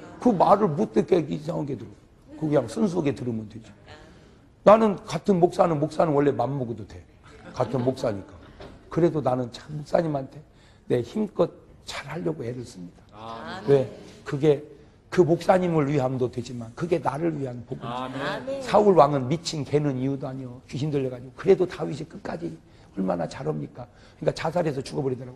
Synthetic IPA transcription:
kɯmaɾɯɭmut͈ekʰeisʰaŋaɡeduɾo | kɯkiamsʰɯns̬ʰoɡe̞tɯɾɯmɯndwe̞d͡ʑo̥ | nanɯnkatʰɯnmok̚s͈anɯnmok̚s͈anɯnwʌɭːemanmoɡododwe̞ | katʰɯnmok̚s͈aɲik͈akɯɾe̞donanɯnt͡ɕʰamok̚s͈aɲimɦantʰe̞ | ne̞çimk͈ʌt̚t͡ɕaɾhaʎːʌɡoe̞ɾɯɭs͈ɯmɲid̥ḁwe̞kɯɡe̞ | kɯmok̚s͈aɲimɯɭɥiɦamdodwe̞d͡ʑimankɯɡe̞naɾɯɭɥiɦanpoɡunsʰauɭwaŋɯnmit͡ɕʰinke̞nɯniudoaɲiʌt͡ɕuɕ̬ʰimdɯɭːʌɡad͡ʑiɡokɯɾe̞dotaɥis̬ʰik͈ɯk͈ad͡ʑi | ʌɭmanat͡ɕaɾʌmɲik͈a | kɯɲik͈at͡ɕasʰaɾesʰʌt͡ɕuɡʌbʌɾidʌɾaɡo

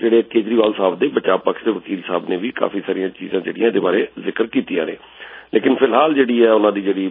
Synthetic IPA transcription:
d͡ʒeːɽeːkeːd͡ʒɾiːʋaːlsaːbd̪eːbət͡ʃaːbpaːkʃd̪eːʋəkiːlsaːbneːʋiːka̰ːpiːsaːɾijãːt͡ʃḭːzãːd͡ʒḛːɽĩjãd̪eːbaːɾeːzɪkəɾkiːt̪ia̰ːɾḛː | leːkɪnpʰɪlɦaːld͡ʒeːɽiːɛːʊnãːd̪iːd͡ʒeːɽiː

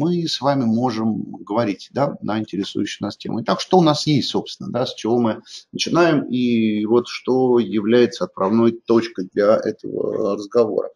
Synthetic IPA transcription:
mɨsvamʲɪmo̞ʐɨmɡəvɐɾʲitʲd̪anʔəɪnʲtʲɪɾʲɪsṵjʏɕːɪjnastʲe̞mʔʊ̰ɪt̪akʂt̪oʊnasjesʲtʲso̞pst̪ʲɪnəd̪asʲt͡ɕɪvo̞mɨnət͡ɕɪnajɪmivo̞t̪ʂt̪o̞jɪvlʲæjɪt̪səɐt̪̚pɾɐvno̞jt̪o̞t͡ɕkəjd̪lʲɐʔɛ̰t̪ə̰və̰rəzɡɐvo̰ɾə̰

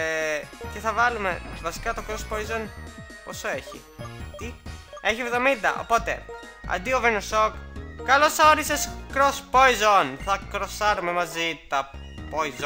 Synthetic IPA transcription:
ce̞θɐvɐlume̞vɐsi̥kɐt̪okɾospoizon | posoe̞çḭ | t̪ie̞çievɣðo̞mind̪ɐ̰ʔo̞̰po̞t̪e̞̰ | ɐ̰d̪iovenosokkːɐlo̞sθɐoɾiseskɾospoizonθɐkɾo̞sɐɾume̞mɐzit̪ɐ | poiz

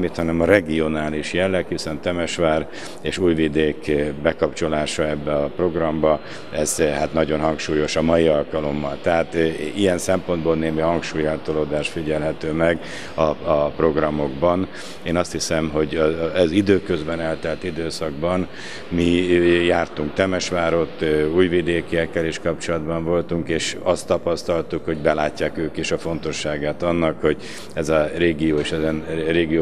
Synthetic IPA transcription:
mːit̪hɒnɛmɒɾɛɡio̞naːliʃjɛlːɛkhisɛnt̪ɛmɛʃʋaːr | eːʃuːjvid̪eːkbɛkɒpt͡ʃo̞laːʃɒɛbːɛɒpro̞ɡrɒmbɒ | ɛzhat̪nɒɟo̞nɦɒŋkʃuːjo̞ʃɒmɒjiɒlkɒlo̞mːɒlt̪ɛɦaːt̪ijɛnsɛmpo̞nd̪boːlneːmihɒŋkʃuːjart̪oloːd̪aːʃt̪fiɟɛlɦɛt̪øːmɛɡ | ɒpro̞ɡrɒmo̞ɡbɒn | eːnɒst̪hisɛmɦo̞ɟɛzid̪øːkøzbɛnɛlt̪ɛlt̪id̪øːsɒɡ̚bɒn | mijaːrt̪uŋkt̪ɛmɛʃʋaːɾo̞t̪ːuːjvid̪eːkijɛkːɛliʃkɒp̚t͡ʃo̞lɒd̪bɒɱvo̞lt̪uŋkeːʃɒst̪ːɒpɒst̪ɒlt̪ukho̞ɟbɛlaːcːaːkøːkiʃɒfo̞nt̪o̞ʃːaːɡaːt̪ɒnːɒkho̞ɟ | ɛzɒreːɡijoːeːʃɛzɛnreːɡio

